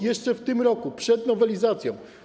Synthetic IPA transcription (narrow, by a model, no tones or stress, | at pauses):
jɛʂt͡ʂɛft̪ɘmɾɔkupʂɛd̪nɔvɛlʲizat̪sʲjɔ̃w̃